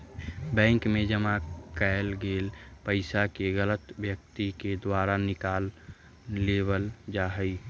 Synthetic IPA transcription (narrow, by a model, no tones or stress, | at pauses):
bɛ̃ːŋkmẽd͡ʒəmakaɪlɡeːlpəɪsakeɣələt̪bjək̚t̪iked̪waːɾanɪkaːlː | eːbəld͡ʒaːɦəi